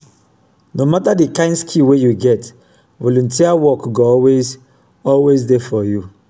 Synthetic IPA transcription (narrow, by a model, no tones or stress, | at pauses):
nomatadikãɪ̃ndskʰiwejuɡɛt | vɔlũntʰiawɔkɡoɔwez | ɔlwezdefɔju